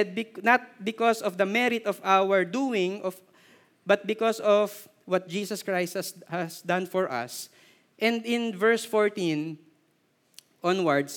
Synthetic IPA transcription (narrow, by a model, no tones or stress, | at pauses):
d̪̚bɪnɐt̪̚bɪkɔsɔfd̪ɐmɛɾɪt̪ɔvawɛɹd̪uɪ̃ŋɔf | bɐt̪̚bɪkɔsɔv | wʌt̪̚d͡ʒiːsɐskɹajst̪hɐshɐsd̪ãnfɔɹʔɐ̰s | ʔɛ̃nd̪ɪ̃nvɛɹsfɔɹt̪ĩn | ʔɔ̃nwɐɹd̪s